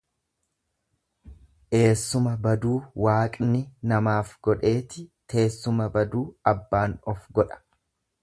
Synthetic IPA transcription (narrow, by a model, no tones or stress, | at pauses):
ʔe̞ːsːʊmɐbɐd̪uːwaːkʼnɪnɐmaːfɡɔᶑe̞ːt̪ɪt̪ʰe̞ːsːʊmɐbɐd̪uːɐbːaːnɔfɡɔᶑɐ̥